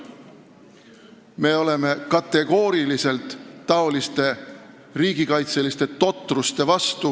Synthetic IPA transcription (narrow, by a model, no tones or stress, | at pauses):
me̞ːo̞le̞me̞kɑt̪ːe̞ɡ̥o̞ːɾilise̞lt̪ːɑo̞list̪e̞ | riːɡ̥ikɑjt̪se̞list̪e̞t̪o̞t̪ːˑrust̪e̞vɑst̪u